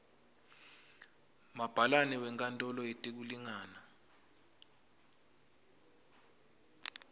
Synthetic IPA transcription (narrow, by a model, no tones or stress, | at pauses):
mab̥ʱalanɛwɛŋkʼantʼɔlɔetʼik̬uliŋaːna